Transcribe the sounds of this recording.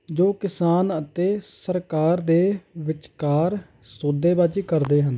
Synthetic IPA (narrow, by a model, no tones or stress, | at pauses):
d͡ʒoːkɪsaːnət̪eːsəɾkaːɾd̪eːʋɪt͡ʃkaːɾ | soːd̪eːbaːd͡ʒikəɾd̪eːɦən